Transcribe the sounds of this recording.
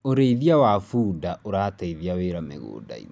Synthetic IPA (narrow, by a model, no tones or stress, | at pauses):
oɾeiðiawafuːdaoɾaːtaiðiaweːɾamḛɣo̰ːda̰ḭn